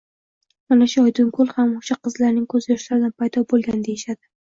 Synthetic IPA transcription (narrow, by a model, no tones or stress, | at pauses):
manaʃʊɒjd̪ʊŋkʰʊlˠhamoʃaqʰɨzlaɾnɪŋkʰɵzjɒʃlaɾɪd̪anpʰajd̪ɒbolˠɡʲand̪ejɪʃad̪ɪ